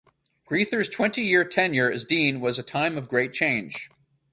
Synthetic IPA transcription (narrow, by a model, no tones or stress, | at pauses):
ɡ̥ɹiθə˞z̥tʰw̥ɛ̃ntijɪɹtʰɛ̃njɪɹɨzdĩnwʌzɨtʰãɪ̃mʌvɡɹeɪt̚t͡ʃʰẽɪ̃nʒ̥